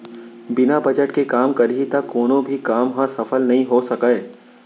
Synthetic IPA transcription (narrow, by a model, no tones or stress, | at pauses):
bɪnabɐd͡ʒəʈkekaːmkɐɾɦit̪ɐkːoːnõbʱikaːmɦãsɐfəlnɐɦĩɦosɐkae